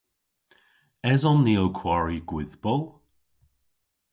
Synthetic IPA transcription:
ɛzɔnːiːokʰwaɹiɡwɪðbɔlˠ

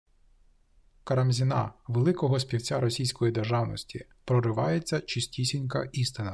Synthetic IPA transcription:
kɐɾɐmzʲinɑ̰ʋelˠɪkɔɦɔspʲiwt͡sʲaɾɔsʲijsʲkɔjid̪erʒɑwnɔsʲtʲipɾɔɾɪʋɑjet͡sʲːɐt͡ʃɪsʲtʲisʲinʲkɐ̰ʔist̪ɪnɐ

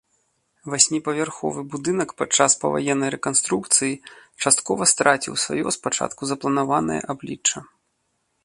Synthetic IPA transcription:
vasʲmʲipɐvʲarxɔ̰vɨbud̪ɨnɐkpat͡ʂːaspɐ̰va̰jɛnːɐjɾɛkanst̪ɾukt̪sɨjit͡ʂast̪kɔvɐst̪ɾat͡sʲiwsva̰jɔspat͡ʂa̰t̪kuzɐplˠɐnavanɐ̰jɐ̰ʔablʲit͡ʂːɐ

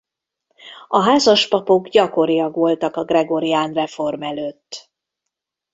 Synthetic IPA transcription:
ɒɦaːzɒʃpɒpo̞ɡɟɒko̞ɾijɒɡʋo̞lt̪ɒkɒɡrɛɡo̞ɾijaːnrɛfo̞rmɛløːt̪ː

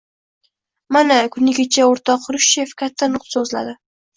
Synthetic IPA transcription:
manakʰʊnɪɡʲat͡ʃʰaoɾt̪ʰɒqɾʊʃe̞fkʲʰat̪ʰːanʊq̪sɵzla̰d̪ɪ

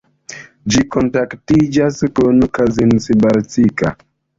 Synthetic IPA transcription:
d͡ʒikontaktid͡ʒaskonkazinsibaɾt͡sika̰

